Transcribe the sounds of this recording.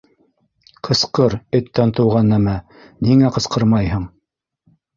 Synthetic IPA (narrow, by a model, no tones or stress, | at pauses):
qʰɤ̆sqɤɾɵ̆t̪ːænt̪ɤ̆wʁɑnːæmæ | niŋæqɤ̆sqɤɾmɑjhɤɴ